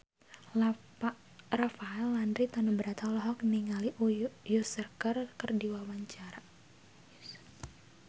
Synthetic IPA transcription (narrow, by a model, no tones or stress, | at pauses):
rafaɛlːandɾit̪anubəɾat̪alɔɦɔk̚niŋaliʔujusərkərkərdiwawaɲt͡ʃaɾa